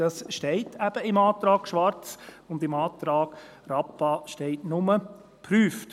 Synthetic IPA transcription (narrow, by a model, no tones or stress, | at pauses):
d̥ɑsʃtɛɪtʰæb̥əɪmɑːtɾɑːɡ̥ʃʋɑɾt͡s | ʊndɪmɑːt̪ɾɑːɡ̥ | rɑpːɑʃtɛɪtnʊmə | pʰɾyːft